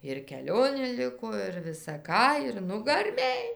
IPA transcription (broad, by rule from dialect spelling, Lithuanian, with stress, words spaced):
ɪr kʲɛˈlʲoːnʲeː ˈlʲɪkoː ɪr ʋʲɪsɐ ˈkɑː ɪr nʊɡɐrʲˈmʲeːj